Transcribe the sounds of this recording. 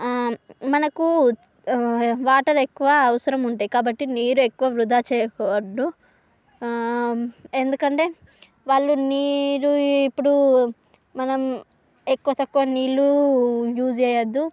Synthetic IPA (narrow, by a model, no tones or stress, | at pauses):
mɐnɐku | ʋaːʈɐɾe̞kːuʋɐːʋɐsɐɾɐmuɳʈaːjkaːbɐʈːiniːɾue̞kːuʋɐʋɾud̪ʱaːt͡ʃɛːjɐkɔːʋɐɖːu | e̞nd̪ukɐɳʈe̞ː | ʋaːɭːuniːɾuipːuɽu | mɐnɐm | e̞kːuʋɐt̪ɐkːuʋɐniːlujuːd͡ʒɛːjɐd̪ːu